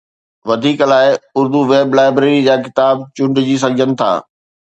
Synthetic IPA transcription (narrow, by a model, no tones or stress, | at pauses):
ʋɐd̪ʱiːklaːɪʊɾd̪uʋeːblaːɪbɾeːɾid͡ʑaːkɪt̪aːb̚t͡ɕʊ̃ɳɖd͡ʑiːs̬ɐd͡ʑʱənɪ̆t̪ʰa̰ː